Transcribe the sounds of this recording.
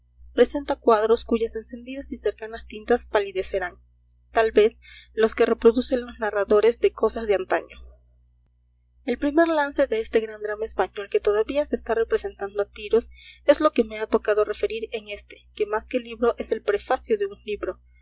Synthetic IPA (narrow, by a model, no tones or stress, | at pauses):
pɾe̞se̞nt̪akwaðɾo̞skuʝase̞nse̞nd̪iðasise̞ɾkanast̪int̪aspaliðe̞se̞ɾan | t̪albe̞s | lo̞skere̞pɾo̞ðuse̞nlo̞znaraðo̞ɾe̞zðe̞ko̞sazðeant̪a̰ɲo̞ | e̞lpɾime̞ɾlanse̞ðe̞est̪e̞ɣɾand̪ɾamaespaɲo̞lke̞t̪o̞ðaβiaseːst̪are̞pɾe̞se̞nt̪and̪oat̪iɾo̞se̞zlo̞ke̞me̞at̪o̞kað̞o̞re̞fe̞ɾiɾe̞ŋe̞st̪e̞̥ke̞maske̞liβɾo̞ʔe̞se̞lpɾe̞fasjo̞ðe̞unliβɾo̞